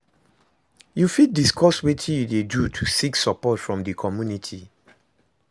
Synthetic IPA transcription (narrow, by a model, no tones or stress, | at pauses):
jufid̚diskʰɔswetʰĩjudedutʰusiksɔpɔtfɹɔ̃mdəkʰɔmjunitʰi